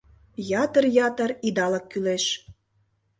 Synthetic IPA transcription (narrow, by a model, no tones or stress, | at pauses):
jɑt̪ərjɑt̪ə̆rid̪ɑləkːyleʃ